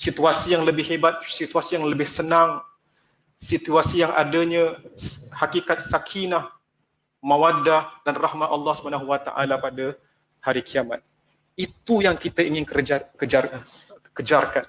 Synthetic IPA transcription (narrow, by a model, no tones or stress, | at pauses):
sit̪uasijaŋləbɪhɦebat̪̚sit̪uasijaŋləbɪhsənaŋ | sit̪uasijaŋʔa̰daɲə | hakikat̪̚sakʰinah | mãwadahdanrahmat̪ɑlˠːɑhsəbanãɦwat̪a̰ʔa̰lapada | haɾikʰiama̰t̪̚ | it̪ujaŋkit̪aiŋɪnkd͡ʒakəd͡ʒa | kəd͡ʒarkan